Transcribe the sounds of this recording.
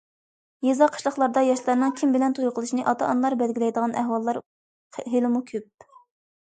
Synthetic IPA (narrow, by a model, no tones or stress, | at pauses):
jezɑqʰə̥ʃlˠəχlˠɑɾd̪ɑjɑʃlˠɑɾnɨŋkʲʰimbɪlɛnt̪ʰuɾʊqʰəlˠɨʃnɨʔɑt̪ɑɑnlˠɑɾbɛlɡʲilɛjd̪əʁɑnʔæhwɑlˠːɑɾ | ɦelɪmukʲʰøp̚